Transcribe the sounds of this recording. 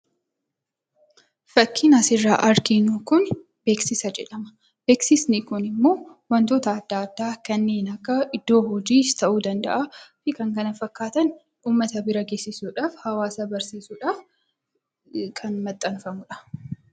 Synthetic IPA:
fɐkːiːnɐsɪrːa̰ːʔɐɾɡɪnuːkʊn | b̥e̞ːksɪsɐd͡ʒɛ̰ᶑɐmɐ̥ | b̥e̞ːksɪsnɪkʊnɪmːo̞ː | wɐnt̪oːt̪ɐːd̪ːaːɐd̪ːaːkɐnːeːnɐkːɐʔɪd̪ːo̞ːhɔd͡ʒiːst̪ʰɐʔuːd̪ɐnd̪ɐ̰ʔafɪkɐŋkɐnɐfɐkːaːt̪ɐn | uːmːɐt̪ɐbɪɾɐɡe̞ːsɪsuːᶑaːfhɐwaːsɐbɐɾsiːsuːᶑaːf | kʰɐnmɐt̪ʼːɐnfɐmʊᶑɐ̥

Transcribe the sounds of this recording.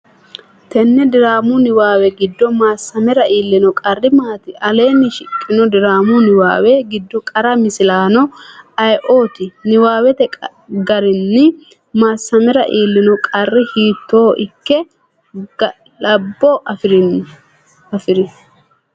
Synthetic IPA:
t̪ɛnːɛd̪ɪɾaːmʊnɪwaːwɛɡɪd̪ːɔmaːsːɐmɪɾɐiːlːɪnɔkʼɐrːɪmaːt̪ɪʔɐleːnːɪʃɪkʼːɪnɔd̪ɪɾaːmʊnɪwa̰ːwɛɡɪd̪ːɔkʼɐɾɐmɪsɪlaːnɔɐjʔo̞ːt̪ɪnɪwaːwɛt̪ɛ | ɡɐɾɪnːɪ | maːsːɐmɛɾɐʔiːlːɪnɔkʼɐrːɪhiːt̪ːo̞ːʔɪkːɛ | lɐbːɔʔfɾ | ɐfɪɾɪ

